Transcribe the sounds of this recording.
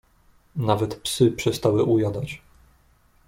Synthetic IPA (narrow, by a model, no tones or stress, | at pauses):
navɛt̪psɘpʂɛst̪awɘʔujad̪at͡ɕ